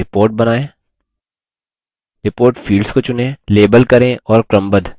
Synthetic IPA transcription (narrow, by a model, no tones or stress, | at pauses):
ɪpoːɾʈ̚bɐnaːẽː | ɾɪpoːɾʈfʰiːlɖskot͡ʃʊnẽleːbəlkɐɾẽʔɔːɾkɾɐmbəd̪ʱ